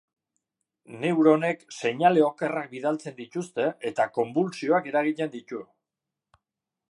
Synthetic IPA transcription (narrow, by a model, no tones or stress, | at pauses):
ne̞wɾo̞ne̞kse̞ɲale̞o̞ke̞rak̚biðalt͡se̞nd̪it̪ust̪e̞et̪ako̞mbulsio̞ake̞ɾaɣ̞ic̪e̞nd̪it̪u